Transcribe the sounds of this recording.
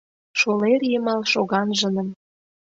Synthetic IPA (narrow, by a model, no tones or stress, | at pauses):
ʃolerjəmɑlʃoɣɑnʒə̆nə̆m